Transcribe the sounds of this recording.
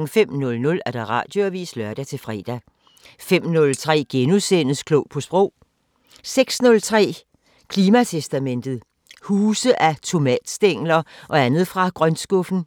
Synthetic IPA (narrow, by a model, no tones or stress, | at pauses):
ŋ̩fem̰nɔ̽lnɔ̽læɐd̥ɑ̈ʁɑ̰̈ːd̥jo̝æʋḭːslɶɐd̥æt͡sʰe̝lfʁɛ̰ːd̥æ | fem̰nɔ̽lt͡sʰʁɛ̰ːɡ̥enusen̰əskʰlɔʊ̰pʰɒ̽sb̥ʁɔ̽ʊ̰ | seɡ̥snɔ̽lt͡sʰʁɛ̰ː | kʰliːmæt͡sʰesd̥æmen̰d̥ð̞̩ˠ | huːsəʔæt͡sʰo̝mɛ̰ːd̥sd̥eŋ̰lɐʔɒ̽ænð̞̩ˠfʁɑ̈ɡ̥ʁɶnsɡ̥ɔfn̩